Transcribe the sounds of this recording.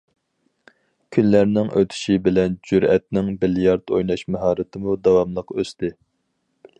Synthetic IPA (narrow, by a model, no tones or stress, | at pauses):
kʲʰynlæɾnɪŋʔø̰t̪ʰy̥ʃibɪlɛnd͡ʒyɾɛt̪̚nɪŋbɪljɑɾt̪ojnɑʃmɛɦɑːɾɨt̪ʰɨmud̪ɑwɑmlˠəqøst̪ɪ